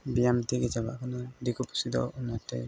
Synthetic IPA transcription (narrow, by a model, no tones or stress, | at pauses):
bijamt̪iɡɛd͡ʒaba̰ʔkʰɔnɔd̪ikupu̥sid̪ɔ̰unatɛ̰